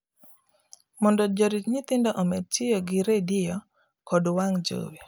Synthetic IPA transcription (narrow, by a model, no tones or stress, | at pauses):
mɔndɔd͡ʒoɾit͡ʃɲit̪ɪndɔʔomed̚tjɪjoɡɪɾedɪjɔ | kɔdwaŋd͡ʒo̰wi